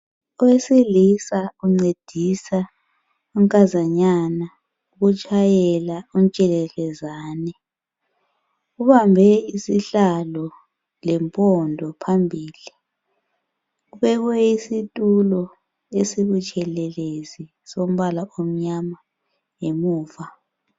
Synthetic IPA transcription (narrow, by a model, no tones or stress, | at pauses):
ɔwesilisauŋ͡ǀed̥ʱisa | uŋkʼazaɲana | uɣut͡ʃʼʰajɛlaunt͡ʃʼɛlɛlɛzaːnɛ | uβambʱɛisiɬalɔ | lɛmpʼɔndʱɔpʰambʱiːli | uβɛɣwɛisitʼulɔ | esiβut͡ʃʼʰɛlɛlezi | som̩βalaʔom̩ɲama | jemuːva